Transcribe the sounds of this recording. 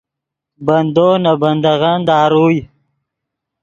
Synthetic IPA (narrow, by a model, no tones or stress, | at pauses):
bɐnd̪oːnaband̪aɣand̪ɑːɾuːj